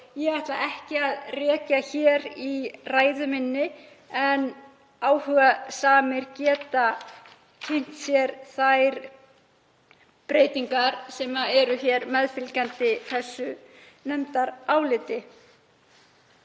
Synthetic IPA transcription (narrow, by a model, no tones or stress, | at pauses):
jɛɣajht̪la̰ʔɛhcɪaðrɛːcaçɛːɾiraːjðʏmɪnːɪ | ɛn | aːwhʏːɣasaːmɪɾcɛːt̪a | cʰejn̥t̪sjɛɾθajɾ | pɾeːjt̪iŋkaɾsɛmaɛɾʏçɛːɾmɛðfɪlcant̪ɪθɛsːʏ | nɛmt̪aɾaːwlɪːt̪ɪ